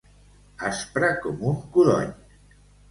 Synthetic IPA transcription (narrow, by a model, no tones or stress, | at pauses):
aspɾakomuŋkuðo̰ɲ